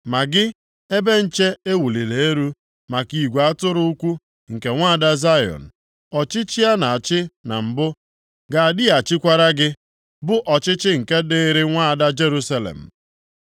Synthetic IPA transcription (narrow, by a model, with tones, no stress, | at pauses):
ma˨ɡɪ˦ | e˦be˦n̩˨t͡ʃe˦e˦wu˨li˨le˨e˦ɾu˦ | ma˨ki˨ɡʷa˦tʊ˦ɾʊ˦u˦kʷu˦ | ŋ̩˨ke˨ŋʷa˦a˨da˦za˦jɔ̰˨n̩˨ | ɔ˨t͡ʃɪ˦t͡ʃi˦a˦na˨a˨t͡ʃɪ˦na̰˨m̩˨bʊ˦ | ɡa˨a˨dɪ˦a˨t͡ʃɪ˦kʷa˦ɾa˦ɡɪ˦ | bʊ˦ʔɔ˨t͡ʃɪ˦t͡ʃɪ˦ŋ̩˨ke˦dɪ˦ɾɪ˦ŋʷa˦a˨da˦d͡ʒe˦ɾu˦sa˦lḛ˨m̩˨